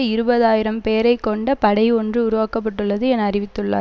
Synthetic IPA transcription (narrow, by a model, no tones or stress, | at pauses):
ɪɾɯbɐðaːjɪɾɐmpeːɾɐɪkːɔɳɖɐpɐɽɐɪɔndrɯʊɾʊʋaːkɐp̬ːɐʈːɯɭːɐðɯɛnːɐɾɪʋɪt̪ːɯɭːa̰ː